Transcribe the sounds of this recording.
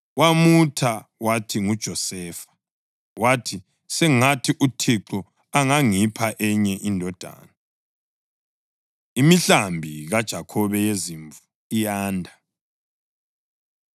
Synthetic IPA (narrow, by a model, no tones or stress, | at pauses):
wamutʰawatʰiŋud̥ʒ̥ʱɔsɛːfḁ | watʰi | sɛŋatʰiʔutʰiǃɔ | aŋaŋipʰaʔɛɲɛʔindʱɔd̥ʱa̰ːna | imiɬambʱiɣad̥ʒ̥ʱakʰɔβɛjeziɱvu | ijaːndʱa